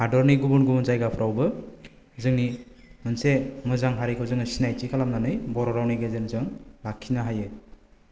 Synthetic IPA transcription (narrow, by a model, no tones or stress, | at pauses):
hadɔɾniɡubunɡumɯnzajɡapʰɯɾʔawbɯ | zɯŋni | mɯnsemɯzaŋɦaɾikʰɯwzɯŋɯsinajt͡ʃikʰalamnanɯjbɔɾɔɾawniɡezɯnzɯŋlakʰːinaɦajɯ